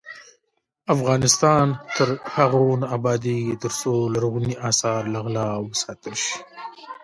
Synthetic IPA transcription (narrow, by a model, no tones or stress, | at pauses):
afɣɑnɪst̪ɑnt̪əɾhaɣunabɑd̪it̪əɾsolaɾuɣuniʔɑsɑɾlaɣlɑwəsɑt̪əlʃi̥